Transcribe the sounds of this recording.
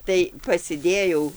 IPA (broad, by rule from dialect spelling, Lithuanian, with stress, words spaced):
tɐɪ pɐsʲɪˈdʲeːjɛʊ